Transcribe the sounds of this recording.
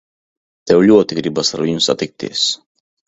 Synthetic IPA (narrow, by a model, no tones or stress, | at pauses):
t̪ɛwlʲuɔt̪ʲiɡɾibasaɾiumsa̰t̪ik̚t̪ʲḭɛs